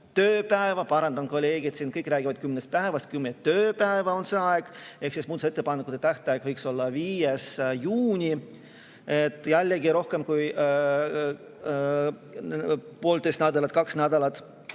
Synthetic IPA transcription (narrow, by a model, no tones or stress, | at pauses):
t̪øːpæevɑpɑɾɑnd̪̥ɑnko̞lʲːeːɡ̥it̪siːnkɤjkːˑræːɡ̥ivɑd̪̥̚kymnest̪pæevɑst̪̚kymnet̪ːøːpæevɑo̞nseɑeɡ̥e̞hksismuːd̪set̪ˑːe̞pɑnːekut̪et̪æht̪eɑeɡ̥vɤjkso̞lːɑviːjesjuːnʲi | et̪ːˑjælʲːeɡiɾo̞hke̞mkuj | po̞ːlt̪est̪næd̪ɑlɑt̪̚kɑksnæd̪̥ɑlɑt̪